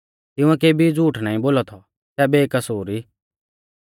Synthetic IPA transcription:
t̪ɪ̃ũɛ̃k̬eːbʱid͡zuːʈʰnãːĩboːlɔt̪ʰɔ | sɛbeːkɐsoːɾi

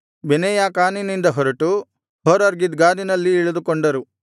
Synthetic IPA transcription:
binɛjaːkaːninind̪ɐɦɔɾɐʈu | ɦɔɾɐɾɡid̪ɡaːd̪inɐlːiːɭɐd̪ukoɳɖɐɾu

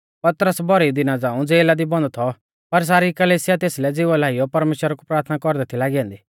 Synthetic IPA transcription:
pɐt̪ɾəsbɔɾid̪ɪnad͡zãːũd͡zeːlad̪ibɔ̃nd̪t̪ʰɔ | pɐɾs̬aːɾikɐleːsɪjat̪eːslɛd͡zɪʋɔlaːɪjɔpɐɾmeːʃwəɾakupɾaːɾt̪ʰnakɔɾd̪ɛt̪ʰilaːɡijãːnd̪iː

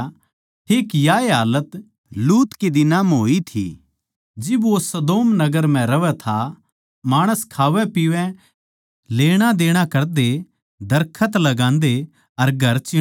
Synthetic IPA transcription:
ʈʰeːkjaːeɦaːlət̪ | luːt̪ked̪ɪnaːmɦoːit̪ʰḭ | d͡ʒɪbosɐd̪oːmnɐɡəɾm̤ɛ̃ɾɐʋɛt̪ʰa | maːɽ̃əskʰaːʋɛpiʋɛ̃ | leːɽ̃ad̪eːɽ̃akɐɾd̪e | d̪ɐɾkʰət̪lɐɡãːnd̪e | ɐɾɡʱɐɾt͡ʃɪ

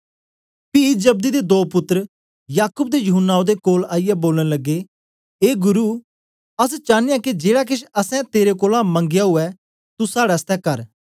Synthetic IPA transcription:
pid͡ʒɐb̚d̪id̪ed̪oːpʊt̪ːəɾ | jaːkʊːb̚d̪ejʊɦʊnːaːõd̪ekoːlaːɪjɛboːləñlɐɡːe | eːɡʊɾu | ɐs̬t͡ʃãːnɪjãkid͡ʒeːɽak̬ɪʃɐsɛ̃t̪eːɾekoːlamɐ̃ŋɡɪjaɦʊɛ | t̪usaːɽast̪ɛkɐɾ

